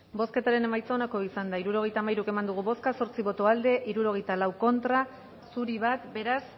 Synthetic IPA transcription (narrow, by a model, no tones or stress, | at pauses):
bo̞ske̞t̪aɾe̞ne̞majt͡saonako̞isand̪aiɾuɾo̞ɣ̞e̞jt̪aːmajɾuke̞mand̪uɣ̞uβo̞skaso̞ɾt͡siβo̞t̪oald̪e̞ʔiɾuɾo̞ɣ̞e̞jt̪alawko̞nt̪ɾa | suɾiβ̞at̪be̞ɾas